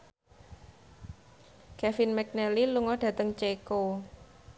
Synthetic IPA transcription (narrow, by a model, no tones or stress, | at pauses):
kɛfinmɛk̚nɛliluŋɔɖ̥ä̤t̪əŋt͡ʃeko